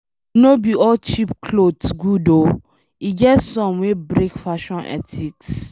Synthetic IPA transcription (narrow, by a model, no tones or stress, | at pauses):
inobiɔlt͡ʃipkʰlodsɡudo | iɡɛtsɔ̃mwebɾekfaʃɔ̃nɛ̰tʰiks